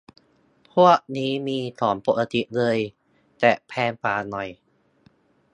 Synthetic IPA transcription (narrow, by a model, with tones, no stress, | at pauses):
pʰu˥˩ək̚niː˦˥miː˧t̪ʰɔː˩˦npo˨˩la˧t̪i˨˩lɤː˧j | t̪ɛː˨˩pʰɛː˧npaː˨˩nɔ˨˩j